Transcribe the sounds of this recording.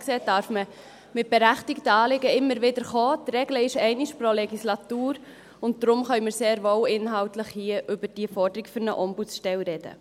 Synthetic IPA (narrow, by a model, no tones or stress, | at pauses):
kseːtdɑɾfmə | mɪt̚b̥ɛɾæχtɪktəɑːlɪɡəɪmːəɾʋɪdəɾχoːtrɛɡləɪʃɛɪnɪʃpɾolɛɡislɑtuːɾ | ʊnt̚d̪ɾʊmχœɥmɪɾseːɾʋowɪnɦɑwtləχhiəʔʏbəd̥iəfɔɾd̥əɾɪkfʏɾnəʔɔmbut͡sʃtɛlɾɛd̥ə̰